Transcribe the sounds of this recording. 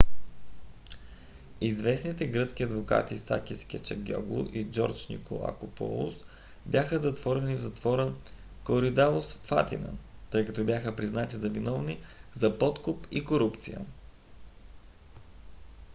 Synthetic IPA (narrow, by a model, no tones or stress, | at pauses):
izvɛsnit̪ɛɡɾɤt̪sk̟ʲiɐd̪voka̰t̪isa̰kʲiskʲiət͡ʃɛɡʲɔ̰ɡlˠʊ̰ʔid͡ʒɔ̰ɾt͡ʃnḭko̰lˠa̰kopɔ̰lˠṵs | bʲjaxəzɐt̪vɔɾɛnivzɐt̪vɔɾən | koɾid̪alˠosfa̰t̪ḭnə̰t̪ɤjkɐt̪ɔbjaxəpɾiznat̪izɐvinɔvnizɐpɔt̪kʊpikoɾupt̪sijə̰